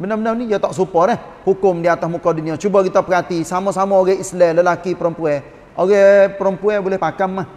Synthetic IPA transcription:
bənəbənərnijat̪aʔsupɔɾɛh | hukʊmdiat̪asmukaduniat͡ʃubaɡit̪apəɡat̪isamasamaoɡɛislɛləlakipəɾəmpuɛ | oɡɛpəɾəmpuɛbolɛhpakamːah

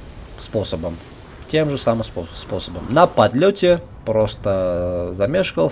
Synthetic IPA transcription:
sposəbəm | tʲe̞mʐɨsamɨmsospo̞səbəmnəpɐd̪lʲotʲɪ | pɾost̪əzɐmʲeʂkəlˠ

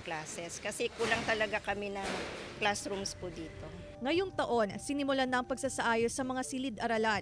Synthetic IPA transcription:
klaːsɛskɐsɛkuːlɐŋt̪ɐlɐɡakɐmɛnɐŋklasɾumspud̪iːt̪o̞ | ŋɐjoŋt̪ɐʔo̞nsɪnɪmʊlanɐʔɐŋpɐɡ̚sasɐʔaːjosɐmɐŋasilɪd̪ʔɐɾɐlan

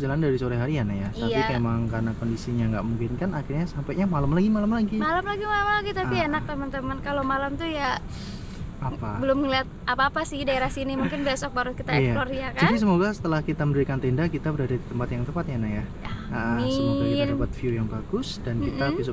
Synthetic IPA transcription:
d͡ʒalandaɾisoɾɛɦaɾianajat̪apiemaŋkarnakondisiɲaŋɡaʔmuŋkɪnkanaxɪrɲasampɛʔɲamalamlaɡimalamlaɡimalamlaɡimalamlaɡit̪apienak̚t̪əmənt̪əmənkalomalamt̪uja | apabəlʊmŋəliat̪̚ʔapaːpasɪhdaeɾahsinimuŋkɪnbesɔk̚baɾʊt̪̚kit̪ajalɔrjakd͡ʒaunisəmoɡasə̥t̪əlahkit̪aməndəɾikant̪ɛndakit̪abəɾadadit̪əmpat̪jaŋt̪əpat̪̚janahja | aaʔəmɪsəmaiəpat̪̚fiujaŋbaɡʊsdankitabis

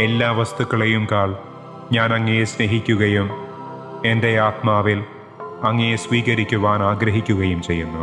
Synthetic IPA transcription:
e̞lːaːʋɐst̪ukːɐɭejumkaːɭ | ɲaːnɐŋːejesne̞ɦikʲːuɣɐjum | e̞nd̪ejaːt̪maːʋil | ɐŋːejesʋiːɣɐɾikʲːuʋaːnaːɡɾɐɦikʲːuɣɐjumt͡ɕe̞jːunːu

